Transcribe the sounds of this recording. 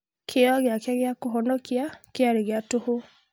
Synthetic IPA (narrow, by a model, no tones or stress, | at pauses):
kʰeɔɣeakaɣeakoɦɔnɔkiakeaɾeɣeatoho